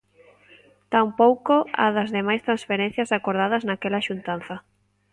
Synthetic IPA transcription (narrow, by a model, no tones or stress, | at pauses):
t̪ampowkoa̰ðɐzðemajst̪ɾansfeɾen̟θjasakoɾð̞að̞ɐznakelaʃunt̪an̟θɐ